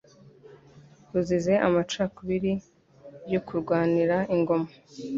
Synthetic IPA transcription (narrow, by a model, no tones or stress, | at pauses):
huzize̞ʔa̰mat͡ʃaːkuβiɾi | jokuɾɡwaːniɾaiŋɡo̞mḁ